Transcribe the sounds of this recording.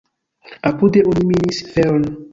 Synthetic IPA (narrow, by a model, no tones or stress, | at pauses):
apudeʔoniminisfeɾon